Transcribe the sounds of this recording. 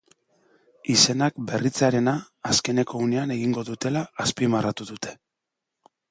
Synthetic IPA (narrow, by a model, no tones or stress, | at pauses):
ise̞nakbe̞rit͡saɾe̞naː | ske̞ne̞ko̞une̞ane̞ɣ̞iŋɡo̞ðut̪e̞laːspimarat̪uðut̪ʰe̞̥